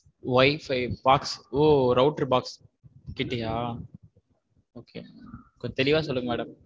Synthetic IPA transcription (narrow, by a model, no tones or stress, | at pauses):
ʋɐɪfɐɪbaːksoːɾɐʊʈɐɾbaːks | kɪʈːɪjaː | oːkḛːkɔɲd͡ʒɐt̪ɛlɪʋaːsɔlːɯŋɡɐmɛːɽɐm